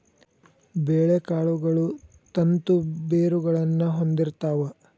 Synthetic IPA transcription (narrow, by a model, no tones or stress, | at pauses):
beːɭekaːɭuɡɐɭu | t̪ɐnt̪ubeːɾuɡɐɭɐnːɐɦo̞nd̪iɾt̪aːʋɐ